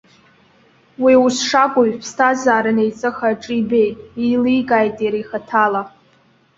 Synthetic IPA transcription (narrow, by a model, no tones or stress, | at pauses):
wiusʂaɡʷoɥpʰstʰazaːɾɨnejt͡sʼɨχaʈ͡ʂʼibe̞jtʼilijɡaːjtʼiɾijχatʰala